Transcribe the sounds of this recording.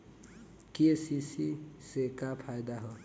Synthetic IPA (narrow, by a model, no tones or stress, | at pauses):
kesisisekapʰajd̪aɦʌ